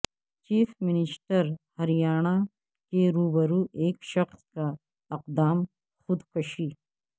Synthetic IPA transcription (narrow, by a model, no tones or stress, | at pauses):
t͡ʃiːfmɪnɪsʈəɾhɐɾijaːɳ̃a | keɾuːbəɾuːʔeːkʃɐxska | ɪq̚d̪aːm | xʊd̪kɐʃiː